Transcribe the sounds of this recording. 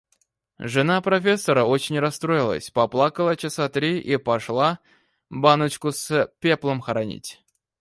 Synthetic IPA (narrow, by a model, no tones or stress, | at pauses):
ʐɨnapɾɐfʲesːəɾəot͡ɕɪnʲrɐst̪ɾojɪlˠə̰sʲpɐplˠakəlˠət͡ɕɪsat̪ɾʲiʔipɐʂlˠa | banət͡ɕkʊspʲeplˠəmxəɾɐnʲḭtʲ